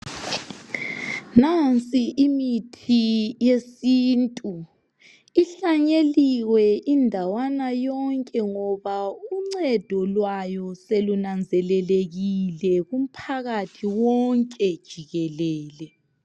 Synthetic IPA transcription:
nant͡sʼiʔimitʰijesiːntʼu | iɬaɲeliwɛʔindʱawanajɔŋkʼɛŋɔβauŋ͡ǀɛd̥ʱɔlwajɔselunand͡zʱɛlɛleɣilɛɣum̩pʰaɣatʰiwɔŋkʼɛd̥ʒ̥ʱiɣɛlɛːlɛ

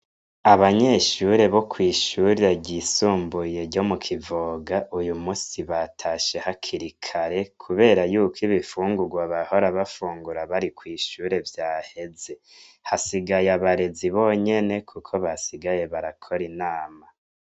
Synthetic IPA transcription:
aβaɲe̞ʃuɾe̞βo̞kʰwiːʃuɾiaɟisuːmbuje̞ɟo̞mukʰivoɡaʔujumuːsiβatʰaʃe̞hakʰiɾikʰaɾe̞kʰuβe̞ːɾajuːkʰiβifuːŋɡuɡwaβaho̞ɾaβafuːŋɡuɾaβaɾikwiːʃuːɾe̞vjaːhe̞ze̞ | hasiɡajaβaɾe̞ziβo̞ɲe̞ne̞kʰukʰo̞βasiɡaje̞βaɾakʰo̞ɾinaːma

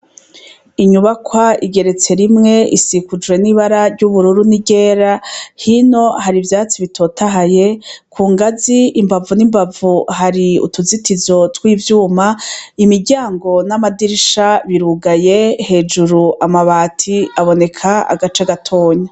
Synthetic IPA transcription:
iɲuβakwaiɡe̞ɾe̞t͡se̞ɾimŋe̞ʔḭsikud͡ʒwe̞niβaɾaɾɟuβuɾuɾuniɟe̞ːɾahino̞haɾivjaːt͡siβitʰo̞ːtʰaɦaje̞kʰuːŋɡaziːmbavunimbavuhaɾiṵtuzitizo̞twiːvjuːmaimiɾɟaːŋɡo̞namadiɾiʃaβiɾuɡajehe̞ːd͡ʒuɾuʔamaβaːtʰiaβo̞ne̞kʰaa̰ɡat͡ʃaɡatʰo̞ːɲa

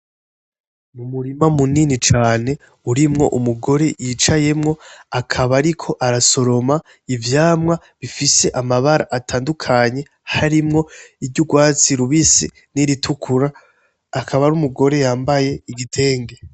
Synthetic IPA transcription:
numuɾimamuninit͡ʃaːne̞ | uɾimŋo̞ʔumuɡo̞ɾe̞jiːt͡ʃaje̞mŋo̞akʰaβaɾikʰo̞ʔaɾaso̞ɾo̞ma | ivjaːmŋa | βifise̞ʔamaβaɾa̰ʔatʰaːndukʰaɲe̞ | haɾimŋo̞iɟuɡwaːt͡siɾuβisḭ | niɾitʰukʰuɾaː | kʰaβaɾumuɡo̞ɾe̞jaːmbaje̞iɡitʰe̞ːŋɡe

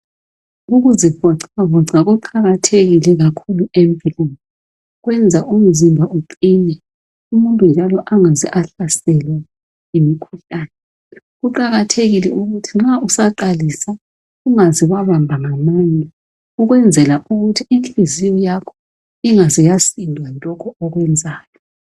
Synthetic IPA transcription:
ɣuɣuzifɔǀaβɔǀaɣuǃaɣatʰeɣilɛɣakʰuluempʼilunɔ | ɣwɛnd͡zʱaʔum̩zimbʱauǃinɛ | umuntʼund͡ʒʱalɔʔaŋaziʔaɬasɛlwa | imikʰuɬaːnɛ | ɣuǃaɣatʰeɣilɛuɣutʰiŋ͡ǁausaǃalisa | uŋaziɣwaβambʱaŋamaːɲɛ | uɣwɛnd͡zʱɛlaʔuɣutʰiinɬizijɔjakʰɔ̥ | iŋazijasindʱwalʼɔkʰɔɔɣwɛnd͡zʱaːjɔ

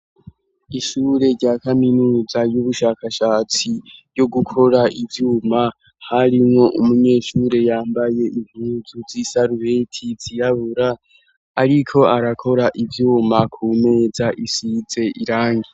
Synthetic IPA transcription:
iʃuːɾe̞ɾɟaːkaminuːzajuβuʃaːkaʃat͡sijo̞ɡukʰo̞ɾaʔivjuːma | haɾimŋo̞ʔumuɲe̞ːʃuːɾe̞jaːmbaje̞ʔim̥huːzuzisaɾuβe̞tʰiziɾaβuɾaː | ɾikʰo̞aɾakʰo̞ɾaʔivjuːmakʰuːme̞ːzaʔisize̞ʔiɾaːŋɡi

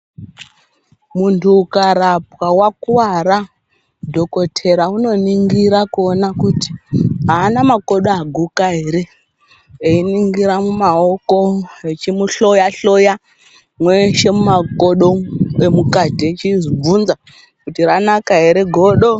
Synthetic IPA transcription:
muntʰuːkaɾap̚wawakuwaɾa | dʱo̞ko̞tʰe̞ɾauno̞niŋɡiɾakuonakuti̥ɦaːnamako̞ɗoaɡʱukaɦe̞ɾe̞ | einiŋɡiɾamumao̞ko̞et͡ʃimuɬojaɬo̞ja | mweʃe̞mumakoɗo̞emukatit͡ʃizib͡vunza | kutiranakaɦe̞ɾe̞ɡʱoɗo

